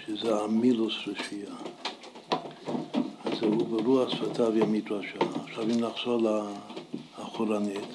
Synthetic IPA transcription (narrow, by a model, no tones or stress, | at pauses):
ʃezeamilosɾeʃia | zehubeɾuasfat̪ʰaveamit̪baʃaːχʃavimlaχsolaː | χoɾanit̪